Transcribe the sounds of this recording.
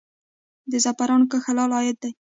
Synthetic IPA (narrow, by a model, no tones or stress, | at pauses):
d̪əzapaɾɑnkəxalɑlɑjɪd̪̚d̪aj